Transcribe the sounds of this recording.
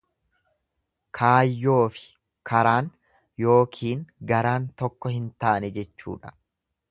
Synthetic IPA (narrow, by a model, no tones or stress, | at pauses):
kʰaːjːo̞ːfɪ̥ | kʰɐɾaːn | jo̞ːkʰiːŋɡɐɾaːnt̪ɔkːɔhɪnt̪aːnɛd͡ʒɛt͡ʃːṵːᶑɐ̥